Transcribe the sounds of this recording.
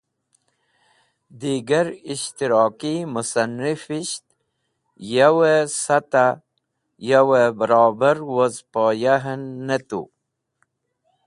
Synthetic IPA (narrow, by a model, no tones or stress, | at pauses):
d̪iɡaɾiʃt̪iɾɑːkimusanifiʃt̪ | jawesat̪a | jawebəɾɔːbaɾwozpojaɦənːet̪ṵ